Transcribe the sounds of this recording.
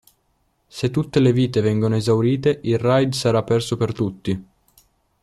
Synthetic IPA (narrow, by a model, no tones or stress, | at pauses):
set̪ːut̪ːeleviːt̪evɛŋɡonoezawɾiːt̪eʔilrajd̪saɾapːɛrsopert̪ut̪ːi